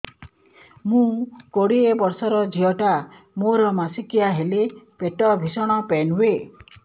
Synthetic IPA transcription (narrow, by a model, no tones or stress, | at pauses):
mũkoɽiebɔɾsɔɾɔd͡ʒiɔʈa | moɾɔmasikiaɦelepeʈɔbʱisɔɽ̃ɔpenuwe